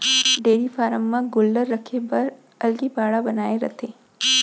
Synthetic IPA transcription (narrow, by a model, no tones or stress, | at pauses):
ɖeːɾifaːɾəmːãɡʊlɖəɾːɐkʰepɐɾ | ɐlɡibaːɽabɐnaːeɾɐ̰t̪ʰeː